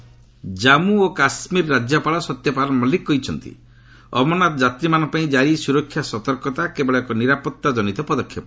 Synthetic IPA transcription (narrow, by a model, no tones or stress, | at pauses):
d͡ʒamuokasmiɾɔɾad͡ʒjɔpaɭɔsɔt̪jɔpaɾɔmɔlikːɔit͡ʃʰɔnt̪ḭ | ɔ̰mɔnatd͡ʒat̪ɾimanɔpaĩd͡ʒaɾisuɾɔkʰːjasɔt̪ɔɾkɔt̪akebɔɭekɔniɾapɔt̪ːad͡ʒɔnit̪ɔpɔd̪ɔkʰjɔpɔ